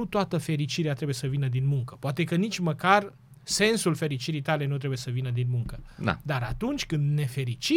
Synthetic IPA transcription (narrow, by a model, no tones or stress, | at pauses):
ut̪oat̪əfe̞ɾit͡ʃiɾeat̪ɾebuje̞səvinəd̪inmuŋkəpoat̪ekənit͡ʃʲməkar | se̞nsulfe̞ɾit͡ʃiɾijt̪ale̞nut̪ɾe̞buje̞səvinəd̪inmuŋkəda̰d̪aɾat̪unt͡ʃʲkɨnd̪ne̞fe̞ɾit͡ʃi